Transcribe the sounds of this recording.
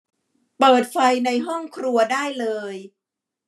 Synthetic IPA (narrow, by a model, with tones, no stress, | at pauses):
pɤː˨˩t̪̚fa˧jna˧jɦɔ˥˩ŋkʰɾu˧ɐdaː˥˩jlɤː˧j